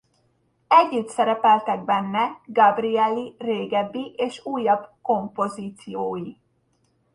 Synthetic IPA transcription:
ɛɟːyt̪sɛɾɛpɛlt̪ɛɡ̚bɛnːɛɡɒbriɛlireːɡɛbːiʔeːʃuːjːɒbko̞mpo̞ziːt̪sijoːji

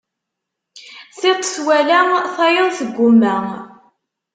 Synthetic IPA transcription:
θɪt̪ˤːswælæθɑjəðˤsəɡʷːʊmːæ

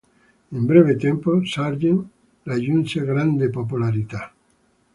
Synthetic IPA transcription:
embɾeβ̞et̪emposaɾʝen | laʎunt͡ʃeɣɾand̪epop̬ulaɾit̪a

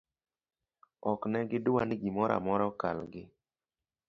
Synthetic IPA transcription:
ɔknɛɡɪdʊwanɪɡimɔɾa̰mɔɾɔkalɡɪ

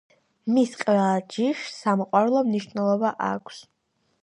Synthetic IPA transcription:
misqʼɛlˠad͡ʒiʃsamɔqʼwaɾlˠɔmniʃvnɛlˠɔbaʔakʷʰs

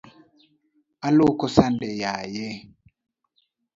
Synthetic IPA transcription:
alokɔsandɛjaje

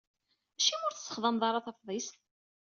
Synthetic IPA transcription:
æʃimʊɾθə̥sːə̥χðˤəmðˤɑɾˤɑθɑfðˤist̪

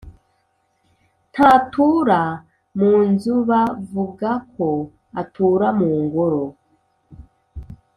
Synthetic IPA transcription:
ntʰaːtʰuːɾa | muːnzuβavuɡakʰo̞ | atʰuːɾamuːŋɡoɾo̞

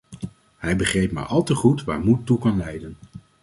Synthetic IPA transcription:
ɦɛjbəχrejpma̰ːɹʔɑlˠtəχutʋa̰ːɹmutːukɑnlɛjdən

